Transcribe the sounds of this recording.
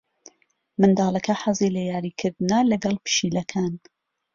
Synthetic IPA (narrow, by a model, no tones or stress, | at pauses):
mɨnd̪ɑːlˠɐkʰɐħɑzilejaːɾikʰɨɾd̪ɨnɐlɐɡɐlˠpɨ̥ʃiːlɐkʰaːn